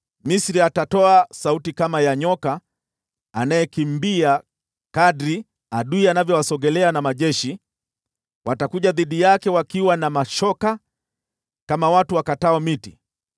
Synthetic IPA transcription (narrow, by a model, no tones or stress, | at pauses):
misɾiatatɔasautikamajaɲɔkaː | najɛkimbia | kaɗɾi | aɗuianavjɔwasɔɡɛlɛanamaʄɛʃi | watakuʄaðiɗijakɛwakiwanamaʃɔka | kamawatuwakataɔmitḭ